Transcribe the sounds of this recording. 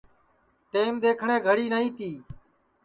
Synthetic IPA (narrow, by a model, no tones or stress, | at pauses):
ʈeːmd̪eːkʰɳẽːɡʱəɽiːnəɦĩːt̪iː